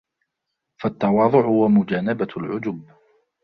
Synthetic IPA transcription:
fat̪ːɑwɑːðˤʊʕhʊwamʊd͡ʒaːnabalʕʊd͡ʒʊːb

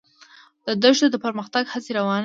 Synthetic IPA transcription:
d̪̥əd̪əʒd̪od̪əpəɾməxt̪aɡhat͡seɾawɑn

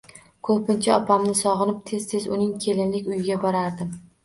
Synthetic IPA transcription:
kʰɵpʰɪnt͡ʃʰaɒpʰamnɪsɒʁɨnɪp̚t̪ʰe̞zt̪ʰe̞zʊ̰nɪŋkʲʰe̞lɪnlɪkʲʊjɪɡʲabɒɾaɾd̪ɪm

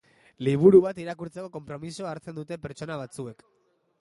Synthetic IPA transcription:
liβ̞uɾuβ̞at̪iɾakuɾt͡se̞ko̞ko̞mpɾo̞misoaɾt͡se̞nd̪ut̪e̞pe̞ɾt͡ʃo̞naβat͡sue̞k

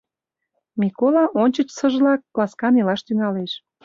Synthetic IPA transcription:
mʲikolɑʔonʲt͡ɕə̆t͡ɕsəʒlɑkːlɑskɑnelɑʃt̪yŋɑleʃ

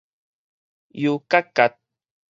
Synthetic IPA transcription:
jukakat̪̚

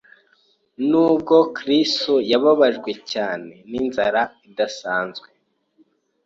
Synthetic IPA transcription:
nuːb̚ɡo̞kɾisto̞jaβaβaʒɡwe̞caːne̞ninzaɾaidasaːnzɡwe

